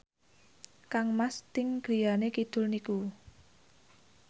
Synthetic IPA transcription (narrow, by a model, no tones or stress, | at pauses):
kaŋmast̪ɪŋɡ̥ɾi̤janekid̪̥ʊ̤lniku